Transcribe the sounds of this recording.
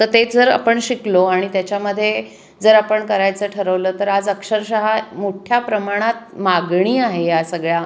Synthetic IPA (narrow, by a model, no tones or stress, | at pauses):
t̪əɾt̪ed͡zəɾa̰pəɳɕikloaɽ̃it̪jat͡ɕjaməd̪ʱːje | d͡zəɾapəɳkəɾajt͡səʈʰəɾəʋləːt̪əɾad͡zəkʂəɾɕəɦamoʈʰjapɾəmaɽ̃at̪̚maɡɳ̃iːaɦejasəɡɭja